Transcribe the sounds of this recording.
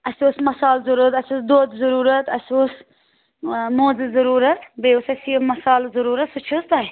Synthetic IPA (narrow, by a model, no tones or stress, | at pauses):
ɐsuːsmɐsaːlzɐɾut̪ɐsuːsd̪oːd̪zɐɾuːɾɐt̪ɐsuːs | moːzɨzɐɾuːɾɐt̪beːusɐsimɐsaːlzɐɾuːɾɐt̪sut͡ʃʰust̪aj